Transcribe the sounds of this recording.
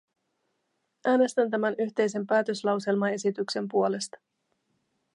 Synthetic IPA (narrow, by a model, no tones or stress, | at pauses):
ʔæːne̞st̪ænt̪̬æmænyçt̪e̞jse̞mpæːt̪ø̞slɑwse̞lmɑe̞sit̪ykse̞mpuo̞le̞st̪ɑ̥